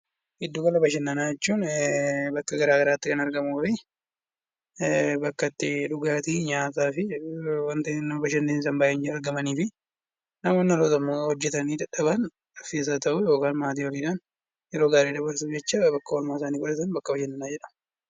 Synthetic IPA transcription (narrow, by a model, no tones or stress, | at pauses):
hɪd̪ːuːkɐlɐbɐʃ̬ɛnːɐnaːd͡ʒɛt͡ʃːuːnbɐkːɐɡɐɾaːɡɐɾaːt̪ːɪkɐnɐɾɡɐmuːfɪ | bɐkːɐt̪ːɪᶑʊɡaːt̪iːɲaːt̪aːfɪwɐnt̪ɐnɐmɐbɐʃɐnːeːnsɐmbaːʔɛnd͡ʒɐɾɡɐmɐniːfɪ | nɐmɔnːɐloːt̪ɐmːoːhɔd͡ʒːɛt̪ɐniːd̪ɐᶑɐβɐn | ɐfeːs̬aːt̪ɐʔuːjo̞ːkaːnmaːt̪̬iːwɔɾiːᶑ̪ɐn | jɛɾo̞ːɡaːɾiːd̪ɐbɐɾsud͡ʒɛt͡ʃːaːbɐkːɐwɐlmaːɪsaːniːkʊᶑɐt̪ɐnbɐkːɐbɐʃɛnːɐnaːd͡ʒɛᶑɐ̥mɐ